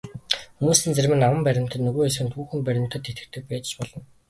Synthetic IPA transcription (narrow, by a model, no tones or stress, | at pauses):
xumuːsiːnt͡særʲmɘ̆nawə̆mpæɾʲɪ̆m̥t̪ə̆t̪nɵɣoːesxɘ̆nt̪xuːxɘ̆ŋpæɾʲɪ̆m̥t̪ə̆t̪ʰːet̪ɡɘ̆t̪ʰɘ̆k̚pæːt͡ɕɪ̥̆t͡ɕpɔɮɞ̆n